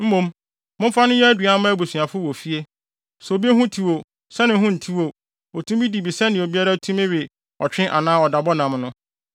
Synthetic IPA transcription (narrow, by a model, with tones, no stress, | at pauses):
m̩˦mõ˦m | mʊ̃˦m˦fa˦nʊ̃˦jɛ˦æ˦dɥa˨˦mã˦bu˨su˨a˨fʊ˦wɔ˨fi˦e˦ | sbi˦e˦ɦʊ̃˦tʰi˦wo˨ | sɛ˦nɪ̃˨˦ɦʊ̃˦n̩˨tʰi˦wo˦˨ | o˨tʰũ˦mbi˦di˨bi˨sɛ˦nɪ̃˨o˨bi˦a˦ɾa˦tʰũ˦mɪ̃˦ɥɪ˨ | ɔ˨t͡ɕᶣɪ̃˦ʔa̰˨nãː˦ɔ˨da˨bɔ˦nã˨mnʊ̃˦